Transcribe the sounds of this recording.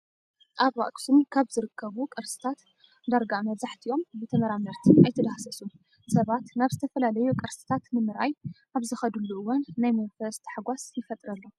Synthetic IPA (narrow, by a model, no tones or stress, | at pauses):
ʔaβwa̰kʼsumkʰaβzɨɾɨkʰːɐβukʼɐɾsɨ̥t̪ʰat̪ | d̪aɾɡamɐβzaħt̪ʰio̞mbɨt̪ʰɐmɐɾamɐɾt̪ʰinʔajt̪ʰɐd̪axsɐsu | sɐβat̪naβzɨt̪ʰɐfɐlalɐjukʼɐɾsɨ̥t̪ʰat̪nɨmɨɾajʔaβzɨxɐd̪ulːuʔɨwanːajmɐnfɐst̪ʰħaɡʷasjɪfɐt̪ʼɾɐlːo